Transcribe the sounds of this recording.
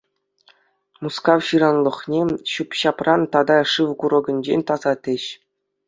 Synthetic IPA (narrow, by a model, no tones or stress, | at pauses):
muskɑwɕɯɾɑnlˠɤ̆χnʲeɕupɕɑprɑnt̪ɑd̪ɑʂɯʋkuɾɤ̆ɡɤ̆nʲd͡ʑenʲt̪ɑzɑt̪ʲɘ̆ɕ